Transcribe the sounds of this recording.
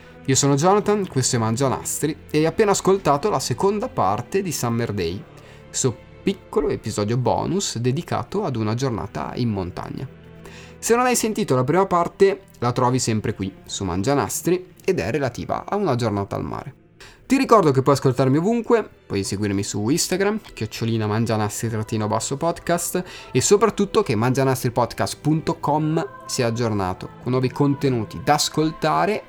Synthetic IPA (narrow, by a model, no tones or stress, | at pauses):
iːosoːnod͡ʒɔnat̪ankwest̪oemand͡ʒana̰st̪ɾieajapːeːnaːskolt̪aːt̪olasekond̪apa̰rt̪ed̪isamːerd̪ɛ̰j | so | pikːoloepizɔːd̪jobɔ̰ːnusd̪ed̪ikʰa̰ːt̪oad̪unad͡ʒorna̰ːt̪a̰ḭmːont̪a̰ɲːa̰ | senːonajsent̪iːt̪olap̬ɾiːmapart̪e | lat̪ɾɔːvisɛmpɾekwisuma̰nd͡ʒana̰st̪ɾi | ed̪ɛ̰rːelat̪ḭːva̰ʔa̰unad͡ʒornaːt̪a̰lma̰ːɾe | t̪iɾikɔrd̪ok̬epːɔjaskolt̪armiovuŋkwepwɔ̰jseɡwirmisuist̪aɡɾamk̟jot͡ʃːoliːnamand͡ʒanast̪ɾit̪ɾat̪ːiːnoba̰sːopɔd̪kast̪esːopɾat̪ːut̪ːok̟emːand͡ʒanast̪ɾipɔd̪kast̪punt̪okɔm | sjɛad͡ʒːorna̰ːt̪okonːwɔːvikont̪enuːt̪id̪askolt̪aːɾe